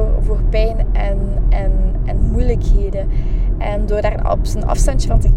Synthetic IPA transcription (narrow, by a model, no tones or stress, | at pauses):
rvoːrpɛjnɛnɛnɛnmujləkheːdəʔɛndoːrdaːrən̰pənɑ̰fstɑntəvɑntə